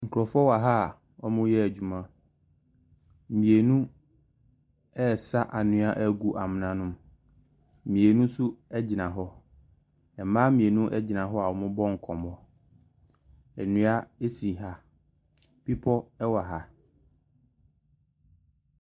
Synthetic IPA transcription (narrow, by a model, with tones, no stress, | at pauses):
ŋ̩˨kʰu˨ɾɔ˨fɔ˦wa˨ɦa˦˨ | ɔ˦mʊ̃˦jɛ˦æ˨d͡ʑᶣu˨mã˦ | m̩˨mĩ˨e˨nũ˦ | ɛ˦˨sa˦ʔa˨nʊ̃˦a˦ʔæ˦˨ɡu˦ʔa˨mɪ̃˨nã˨nʊ̃˦m | m̩˨mĩ˨e˨nũ˦sʊ˦ɛ˦d͡ʑɪ˨nã˨ɦɔ˦ | ɛ˨mãː˦mĩ˨e˨nũ˦ʔɛ˦d͡ʑɪ˨nã˨ɦɔ˦a˨ɔ˨mʊ̃˦bɔ̃˦ŋ̩˨kʰɔ̃˨mɔ̃˨ | ɛ˨nũ˦a˦e˦si˨ɦa˦ | pi˦pʰɔ˦ɛ˦wa˨ɦa˦